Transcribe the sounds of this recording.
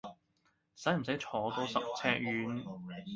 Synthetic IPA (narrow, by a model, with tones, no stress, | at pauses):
sɐ˨˥jm̩˨˩sɐ˨˥jt͡ʃʰɔː˨˥t̪oː˨˥sɐ˨k̚t͡sʰɛː˧˥k̚jyː˨˧˥n